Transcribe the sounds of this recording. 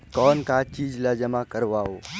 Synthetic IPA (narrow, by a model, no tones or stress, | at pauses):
kɔːnkaːt͡ʃiːd͡ʒlad͡ʒəmakəɾʋaoː